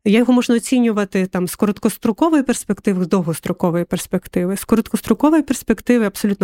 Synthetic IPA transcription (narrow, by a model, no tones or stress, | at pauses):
jajɔɦɔmɔʒnɐɔt͡sʲinʲːʊʋɐt̪ɪt̪ɑmskɔɾɔt̪kɔst̪ɾʊkɔʋɔjiperspekt̪ɪʋzd̪ɔɦɔst̪ɾʊkɔʋɔjiperspekt̪ɪʋɪskɔɾɔt̪kɔst̪ɾʊkɔʋɔjiperspekt̪ɪʋɪɐbsɔlʲut̪n